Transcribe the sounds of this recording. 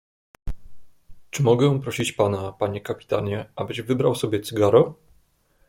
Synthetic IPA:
t͡ʂɘmɔɡɛ̃pɾɔɕit͡ɕpanapaɲɛkapʲi̥t̪aɲɛʔabɘʑvɘbɾawsɔbʲjɛt̪sɘɡaɾɔ

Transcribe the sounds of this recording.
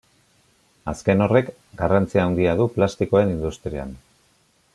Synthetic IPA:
aske̞no̞re̞k | ɡarant͡siaːwnd̪iaðuplast̪iko̞ae̞nind̪ust̪ɾia̰n

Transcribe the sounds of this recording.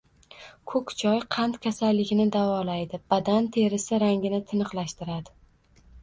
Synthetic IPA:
kʰɵkʲt͡ʃʰɒjqʰɑnt̪kʲʰasalːɪɡʲɪnɪd̪avɒlajd̪ɪb̥ad̪ant̪ʰe̞ɾɪsɪɾaŋɡʲɪnɪt̪ʰɪnɨqlˠaʃt̪ɪɾad̪ɪ

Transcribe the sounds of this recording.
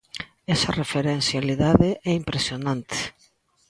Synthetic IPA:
ɛsɐrefeɾenθjaliðaðeʔɛimpɾesjonãnt̪e̥

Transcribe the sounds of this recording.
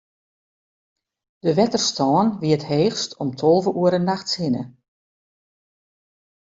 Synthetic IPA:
d̥əʋɛtərstɔːnʋiətheːxstʰɔmtʰɔlˠvəʔuəɾənːaxtshɪnə̰

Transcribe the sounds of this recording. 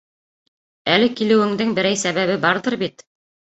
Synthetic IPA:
ælɘkilɘ̆wɘ̆ŋd̪ɘŋbɘ̆ɾæjsæβæβɘbɑɾðɤɾbit̪

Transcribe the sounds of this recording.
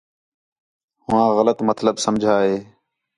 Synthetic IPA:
hʊʋãːɣələt̪mət̪ləbsəmd͡ʒʱaːɦeː

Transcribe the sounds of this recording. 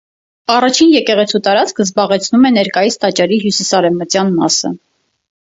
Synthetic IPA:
ɑrɑt͡ʃʰinjɛkɛʁɛt͡sʰut̪ɑɾɑt͡skʰəzbɑʁɛt͡sʰnumɛnɛɾkɑjisʰt̪ɑt͡ʃɑɾiɦjusisɑɾɛvmət͡sjɑnmɑsə̰

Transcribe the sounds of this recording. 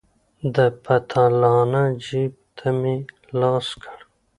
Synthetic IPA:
d̪əpʰat̪ʰalɑːnad͡ʒib̚t̪ʰami | lɑːskʰəɽ

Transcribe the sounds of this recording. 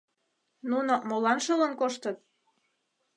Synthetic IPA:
nunomolɑnʃɤlə̆nkoʃt̪ət̪̚

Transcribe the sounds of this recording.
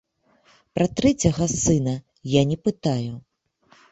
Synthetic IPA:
pɾɐt̪ɾɛt͡sʲɐɣɐsɨnɐ | janʲɛpɨt̪aju

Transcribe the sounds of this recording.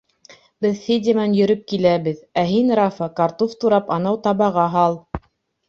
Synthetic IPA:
bɘðfedʲɪmɑnjɵ̆ɾɵp̚kilæβɘðæɦinɾafɑkɑɾt̪oft̪uɾɑpɑnɑwt̪ɑβɑʁɑɦɑlˠ

